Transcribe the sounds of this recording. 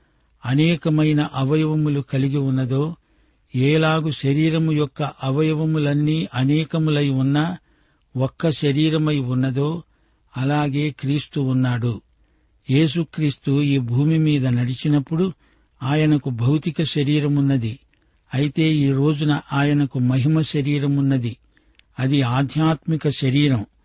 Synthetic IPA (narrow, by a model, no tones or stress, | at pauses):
ɐnɛːkɐmɐjnɐʔɐʋɐjɐʋɐmulukɐliɡiunːɐd̪o̞ː | ɛːlaːɡuʃɐɾiːɾɐmujɔkːɐʔɐʋɐjɐʋɐmulɐnːiːʔɐnɛːkɐmulɐjunːɐ | ɔkːɐʃɐɾiːɾɐmɐjunːɐd̪o̞ː | ɐlaːɡe̞ːkɾiːst̪uunːaːɽu | jeːs̬ukɾiːst̪uiːbʱuːmimiːd̪ɐnɐɽit͡ʃinɐpːuɽu | aːjɐnɐkubʱɐwt̪ikɐʃɐɾiːɾɐmunːɐd̪i | ɐjit̪e̞ːiːɾo̞ːd͡ʒunɐʔaːjɐnɐkumɐɦimɐʃɐɾiːɾɐmunːɐd̪i | ɐd̪iaːd̪ʱjaːt̪mikɐʃɐɾiːɾɐm